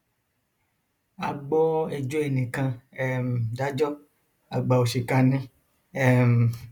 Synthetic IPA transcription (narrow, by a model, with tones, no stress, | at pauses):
a˨ɡ͡bɔ˦e˨d͡ʒo˦e˨nĩ˨kã˧ɛ˦m˨da˦d͡ʒɔ˦ | a˨ɡ͡ba˨wo˨ʃi˨ka˧nĩ˦ | ɛ˦˨m˨